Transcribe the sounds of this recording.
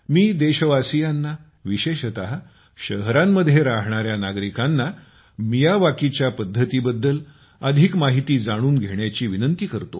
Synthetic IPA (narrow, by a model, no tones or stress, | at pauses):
miːd̪eɕəʋasijanːa | ʋiɕeɕət̪aɦ | ɕəɦɾamːəd̪ʱːjeɾaɦɳ̃aɾjanaɡɾikanːa | mijaʋakit͡ɕjapəd̪ʱːət̪iːbəd̪ːəl | əd̪ʱikmaɦit̪iːd͡zaɽ̃uːnɡʱeɳjat͡ɕiːʋinənt̪iːkəɾt̪o̰